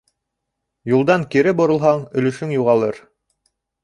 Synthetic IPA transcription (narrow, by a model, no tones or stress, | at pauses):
julˠd̪ɑŋkiɾɘbŏɾɤ̆lˠɦɑŋɵ̆lɵ̆ʃɵŋjuʁɑlˠɤɾ